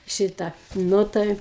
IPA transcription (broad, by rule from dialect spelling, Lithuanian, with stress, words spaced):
ˈʃʲɪtɑː ˈnʊ tɐɪ